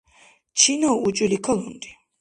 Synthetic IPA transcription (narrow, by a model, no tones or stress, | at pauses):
t͡ʃʰinɔut͡ʃʼilikʰɔlund̪i̥